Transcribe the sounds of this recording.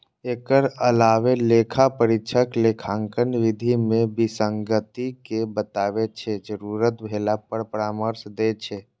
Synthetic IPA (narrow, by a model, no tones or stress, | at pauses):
eːkəɾəlaːʋeleːkʰapəɾɪʃʰəklekʰãŋkənʋɪd̪ʱimẽbisəŋɡət̪ikebət̪aːʋet͡ʃʰed͡ʒəɾuːɾət̪bʱeːlapəɽpəɾaːməɾsd̪et͡ʃʰe